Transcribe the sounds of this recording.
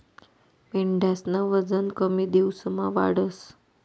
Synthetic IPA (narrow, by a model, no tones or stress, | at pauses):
meɳɖʱasnəʋəd͡zənkəmiːd̪ewsəmaʋa̰ɽəs